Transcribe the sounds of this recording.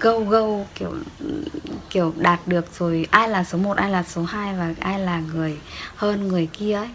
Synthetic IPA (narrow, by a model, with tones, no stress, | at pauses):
ɣə˧wɣə˧wki˧˩əw | ki˧˩əwɗaː˨˩t̚ɗɨ˨˩ək̚z̥o˨˩jʔaː˧jlaː˨˩so˨˦mo˨˩t̚ʔaː˧jlaː˨˩so˨˦haː˧jvaː˨˩ʔaː˧jlaː˨˩ŋɨ˨˩əjhəː˧nŋɨ˨˩əjki˧əʔə˨˦j